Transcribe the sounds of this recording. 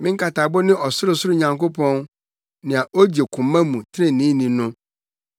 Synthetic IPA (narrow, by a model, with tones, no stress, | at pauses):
mɪ̃˦ŋ̩˦kʰa˨tʰa˨bʊ˦nɪ̃˦ʔɔ˨sʊ˦ɾʊ˦˨sʊ˦ɾʊ˦ɲã˨ŋko˦pʰɔ̃˦n | nɪ̃˨a˨ʔo˦d͡ʑe˨kʰʊ̃˨mːã˦mũ˨tʰɾɪ̃˦˨nĩ˦nĩ˨nʊ̃˦